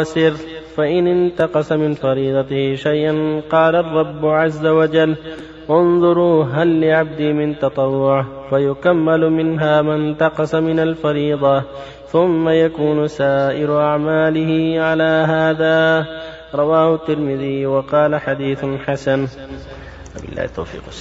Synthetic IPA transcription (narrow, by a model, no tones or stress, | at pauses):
asɪɾfaʔɪnɪnt̪ɑqɑsamɪnfɑɾiːd̪ˤɑt̪ɪhɪʃajʔanqɑːlarˤːɑbːʊʕazːawad͡ʒalː | ʔʊnðˤʊɾuːɦalːɪʕab̚d̪iːmɪnt̪ɑt̪ˤɑwːʊʕ | fajʊkamːalʊmɪnɦaːmant̪ɑqɑsamɪnalfɑɾiːd̪ˤɑ | θʊmːajakuːnʊsaːʔɪɾʊʔaʕmaːlɪhɪʕalaːɦaːðaː | ɾˤɑwaːhʊt̪ːɪɾmɪðɪjwɑqɑːlaħad̪iːθʊlħasan | wabɪ̰lːa̰ːht̪ːa̰wfḭːq